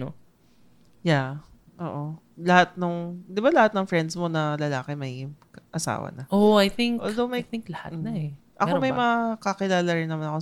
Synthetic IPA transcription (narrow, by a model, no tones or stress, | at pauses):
o | ja | ʔoːʔo | lɐhat̪̚noŋd̪ɪbalɐhat̪̚nɐŋfɹɛnd̪smo̞nɐlɐlaːkɛmɐj | ʔɐsa̰ːwɐ̰nɐʔoajθɪŋkːld̪omɐjt̪ɪŋklɐha̰t̩nɐɛ | ʔɐ̰omɐjmɐkɐkɪlaːlɐɾɪnɐmanɐko